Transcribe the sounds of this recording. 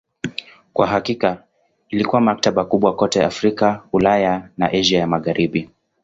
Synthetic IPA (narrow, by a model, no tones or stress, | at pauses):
kwaɦakika | ilikuwamak̚taɓakuɓwakɔtɛafɾikaulajana̰ʔɛʒiajamaɣaɾiɓi